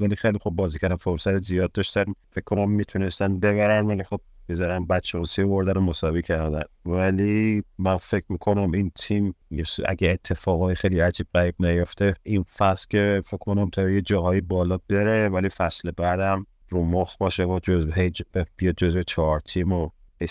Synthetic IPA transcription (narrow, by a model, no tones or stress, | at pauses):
vælixejlixob̚ːɒːzicʰæɾd̪æmfoɾsæt̪ezijɒːd̪̚ːɒʃt̪ænfekkʰːonæmːit̪ʰunest̪ænbe̞bæɾænvælixob̥̚bezɒɾænbætt͡ʃʰːeosijvoɾd̪ænomosɒːvicʰæɾd̪ænvælimænfe̞kʰmikʰo̞næmint̪ʰimjesæ̰ɡæet̪ʰːe̞fɒːɣɒːjixejliæd͡ʒʰibɣæɾibnæjoft̪einfæslce̞fekʰkonæmt̪ʰæɾjed͡ʒɒːɦɒːjibɒːlɒːbeɾevælifæslebæd̪æm | rumoxbɒːʃevɒd͡ʒozɦejd͡ʒbb̥ijɒd̪̚d͡ʒozvet͡ʃʰɒɾt̪ʰimo | he